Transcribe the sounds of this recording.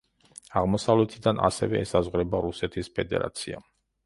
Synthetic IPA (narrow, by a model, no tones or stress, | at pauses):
aʁmɔsavlɛt̪ʰid̪anʔa̰sɛ̰vɛɛsazʁɾɛbaɾusɛt̪ʰispʰɛd̪ɛ̰ɾa̰t̪sʰia̰